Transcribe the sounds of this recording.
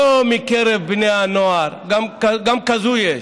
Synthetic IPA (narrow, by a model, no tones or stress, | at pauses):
omikeɾebinjaːnoaɾɡɐmkɡɐmkɐzuje